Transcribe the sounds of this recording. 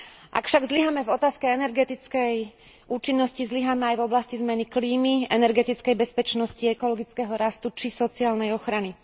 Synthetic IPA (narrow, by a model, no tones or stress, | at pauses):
ʔa̰kfʃaɡzliɦamɛvɔt̪aːskɛɛnɛɾɡɛt̪it͡skɛj | ʔuːt͡ʃinːɔscizliɦamɛajvɔblascizmɛnikliːmiɛnɛɾɡɛt̪it͡skɛjbɛspɛt͡ʃnɔsciɛkɔlɔɡit͡skɛɦɔɾast̪ut͡ʃisɔt͡siaːlnɛjɔxɾani